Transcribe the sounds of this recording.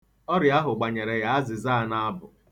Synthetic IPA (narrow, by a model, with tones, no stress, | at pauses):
ɔ˦ɾja˦ɦʊ˨ɡ͡ba˨ɲe˨ɾe˨ja˦a˦zɪ˨za˦˨na˦bʊ˨